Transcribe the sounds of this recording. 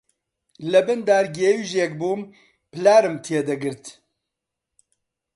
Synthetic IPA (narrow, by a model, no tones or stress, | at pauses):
lɛbɨnd̪aːɾɡeːwiʒeːkbuːm | pɨlaːɾɨmt̪ʰeːd̪ɛɡɨɾt̪